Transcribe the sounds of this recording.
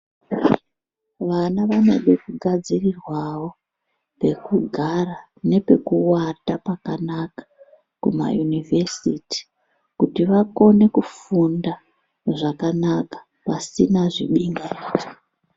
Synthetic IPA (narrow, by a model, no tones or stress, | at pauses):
ʋanaʋanḛɗe̞kuɡʱad͡zirirwawo̞ | pe̞kuɡʱara | ne̞pe̞kuwatapakanakḁ | kṵma̰junivʱe̞siti̥ | kutiʋako̞ne̞kufunda | ʐakanakḁ | pasinaʐiɓiŋɡaiːʐe